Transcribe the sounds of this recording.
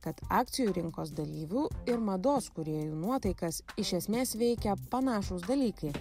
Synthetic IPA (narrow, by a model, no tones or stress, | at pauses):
kɐt̪ɑːk̚t̪sʲɪjuːɾʲɪŋkoːsd̪ɐlʲiːʋʲuːɪɾmɐd̪oːskʊɾʲeɛjuːnuɔt̪ɐɪkɐsɪʃʲɛsʲmʲeːsʋʲɛɪkʲɛpɐnɑːʃosd̪ɐlʲiːkɐɪ